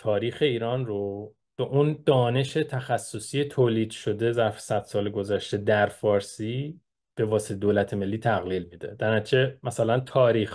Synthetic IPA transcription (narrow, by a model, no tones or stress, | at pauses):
t̪ʰɒːɾiːxe̞iːɾɒːnro | b̥eʔund̪̥ɒːne̞ʃe̞t̪ʰæxæsːosiːet̪ʰoːliːd̪ʃo̞d̪e̞zæɾfsæd̪̥sɒːleɡo̞zæʃt̪e̞d̪æɾfɒːɾsiː | b̥e̞vɒːset̪ʰed̪oːlæt̪ʰeme̞lːiːt̪ʰæɣliːlmid̪e̞̰d̪̥æɾæt͡ʃʰemæsælænt̪ʰɒːɾiːx